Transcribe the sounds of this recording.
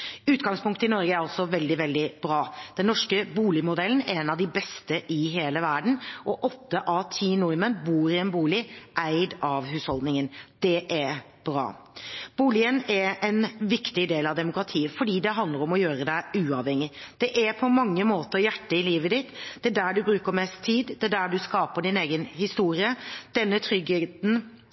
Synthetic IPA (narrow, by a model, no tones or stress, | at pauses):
ʉːt̪ɡɑŋspʊŋkt̪əɪnɔɾɡəæɾɑlsɔʋɛld̪ɪʋɛld̪ɪbɾɑːd̪̥ɛnːɔʂkəbuːlɪmʊd̪ɛlən̩ɛɛnɑʋd̪ɪbɛst̪əʔɪɦeːləʋæɾɖɳ̩ʔɔʔɔt̪ːəʔɑːt̪ʰiːnʊɾmənbuːɾɪɛnbuːlɪʔæɪd̪ɑʋɦʉːshɔld̪nɪŋənd̪̥ɛʔɛɾ | b̥ɾɑ̰ː | b̥uːlɪənɛɾɛnʋɪkt̪ɪd̪eːlɑʋd̪ɛmʊkɾɑt̪ʰiːəfɔɖiːd̪ɛɦɑnd̪ləɾɔmɔjøːɾəd̪æɪʉːɑʋhɛŋːɪd̪̥ɛʔæɾpʰɔmɑŋːəmoːt̪əɾjæʈːəɪliːʋəd̪ɪt̪d̪̥ɛæd̪æːɖʉbɾʉːkəmɛst̪ʰːiːd̪d̪ɛd̪æɖʉskɑːpəɖɪneːɡənhɪst̪uːɾɪəd̪̥ɛnːət̪ʰɾʏɡhet̪n̩